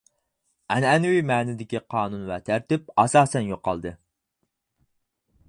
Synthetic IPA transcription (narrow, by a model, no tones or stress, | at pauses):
ɛnɛnwimɛːnɪd̪ɪkʲiqʰɑːnunvɛt̪ʰæɾt̪ɪp̚ɑsɑːsɛnjoqːɑ̰lˠd̪ɨ